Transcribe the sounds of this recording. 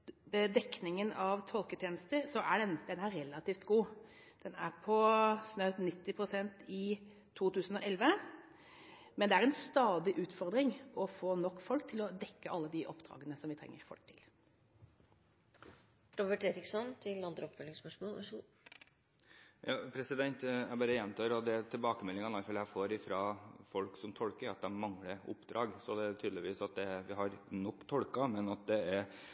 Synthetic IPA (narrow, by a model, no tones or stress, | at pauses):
bəd̪ɛknɪŋənɑʋt̪ʰɔlkət̪ʰjeːnəst̪əɾsɔʔæɖɛnd̪̥ɛnæɾɾɛlːɑt̪iːft̪ɡuː | d̪̥ɛnæ̰ɾpʰɔsnɑʉt̪nɪt̪ːɪpʰɾʊsɛnt̪ɪ | t̪ʰuːt̪ʉːsn̩ɔʔɛlʋə | mɛnd̪ɛæɾɛnst̪ɑːd̪ɪʔʉːt̪fɔɾd̪ɾɪŋɔfoːnɔkːfɔlkt̪ʰɪlɔd̪ɛkːəʔɑlːəd̪ɪʔɔpːd̪ɾɑ̰ːɡənəsɔmʋɪt̪ʰɾɛ̰ŋːə̰ɾfɔ̰lk̚t̪ʰɪl | ɾɔbəʈeːɾɪksɔnt̪ʰɪlɑnd̪ɾəɔpfœlɪŋspœʂmoːl | jɑːpʰɾɛsɪd̪ɛnt̪æbɑːɾəjɛnt̪ʰɑːɾɔd̪ɛt̪ʰɪlbɑːkəmɛlːɪŋɑnɑlfɑljæɪfoːɾɪfɾɑːfɔlksɔmt̪ʰɔlkəɾɑt̪̚d̪ɛmɑŋləʊ̰pːd̪ɾɑːɡsɔd̪ɛæɾt̪ʰyːd̪lɪʋiːsɑt̪̚d̪ɛʋɪɦɑɾnɔkːt̪ʰɔlkɑmɛnɑt̪̚d̪ɛæɾ